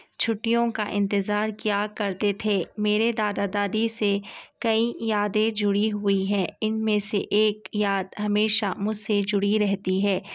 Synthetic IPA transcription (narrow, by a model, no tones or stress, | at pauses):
t͡ʃʰʊʈːijõkaʔɪ̰̃nt̪ɪzaːɾkjaːkɐɾt̪et̪ʰemeːɾed̪aːd̪aːd̪aːd̪isekɐijaːd̪ẽd͡ʒʊɽiɦʊiɦɛ̃ːɪnmẽseʔeːkjaːd̪ɦɐmeːʃamʊd͡ʒsed͡ʒʊɽiɾɛɦt̪iɦɛː